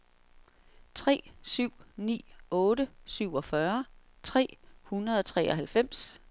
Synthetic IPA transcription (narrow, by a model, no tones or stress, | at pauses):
t͡sʰʁɛ̰ːsyʊ̰nḭːɔ̽ːɾəsyʊ̰ɒ̽fɶɐ | t͡sʰʁɛ̰ːhunɐðˠɒ̽t͡sʰʁɛ̰ːʔɒ̽ɦælfem̰s